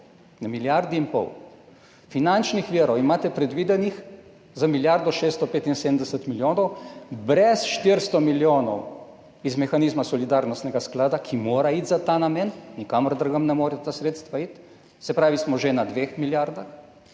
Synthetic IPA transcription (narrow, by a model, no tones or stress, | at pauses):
namiljaɾd̪iinpɔ̰w | finant͡ʃnixʋiːɾɔwimaːt̪ɛpɾɛd̪ʋiːd̪ɛnix | zamiljaɾd̪ɔʃeːst̪ɔpeːt̪inseːd̪əm̩d̪ɛsət̪miljoːnɔwbɾɛsʃt̪iɾst̪ɔmiljoːnɔw | izmɛxanizmasɔlid̪aːɾnɔst̪nɛɡasklaːd̪akʰimoːɾait̪zat̪aːnameːnnikamɾd̪ɾɡəmnɛmoːɾɛt̪aːsɾet̪st̪ʋait̪ | sɛpɾaːʋismɔʒenad̪ʋexmiljaɾd̪ax